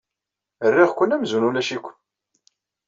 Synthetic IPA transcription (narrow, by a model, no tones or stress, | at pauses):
ərːɪʁkʷːənːæmzunulæʃikʷː